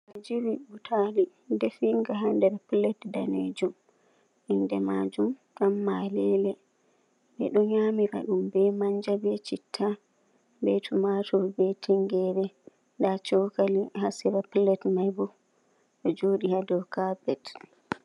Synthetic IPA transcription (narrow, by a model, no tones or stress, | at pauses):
ʔad͡ʒiwibutʰali | dɛfiŋɡaɦandɛɾplɛtdanḛd͡ʒum | ʔindɛmad͡ʒumtamːalɛlɛ | ɓɛ̰ɗɔɲamiɾa̰ɗumbɛmaɲd͡ʒabɛt͡ʃitʰːa | bɛtʰumatʰɔbɛtʰiŋɡɛɾɛ | ndat͡ʃɔkalihasiɾaplɛtmajbɔ | ɗɔd͡ʒoːɗihadɔwkabɛt